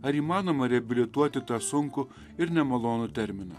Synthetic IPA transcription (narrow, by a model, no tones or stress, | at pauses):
ɐɾiːmɑːnoːmɐɾʲɛɐbʲɪlʲɪt̪uɔt̪ʲɪt̪ɑːsʊŋkʊ | ɪɾnʲɛmɐlˠoːnʊt̪ʲɛɾʲmʲɪnɐ̰ː